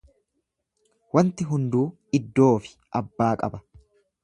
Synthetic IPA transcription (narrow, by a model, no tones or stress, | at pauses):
wɐnt̪ɪɦʊnd̪uː | ɪd̪ːo̞ːfɪ̥ | ʔɐbːaːkʼɐ̰bɐ